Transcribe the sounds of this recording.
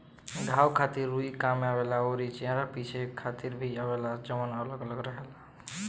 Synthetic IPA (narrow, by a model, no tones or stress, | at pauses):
ɡ̪ʱawkʰat̪iɾːuikameabelaoɾit͡ʃẽɾapit͡ʃʰekʰat̪iɾbʱiabelad͡ʒəmənələɡələɡɾəɦela